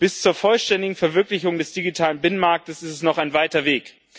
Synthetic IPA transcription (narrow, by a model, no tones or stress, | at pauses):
b̥ɪst͡suːɐfɔlʃtɛndɪɡŋ̩fɛɐvɪɐklɪçʊŋdɛsd̥iɡitʰaːlənbɪnənmaɐk̚təsɪstɛsnɔχaɪnvaɪtɐveːk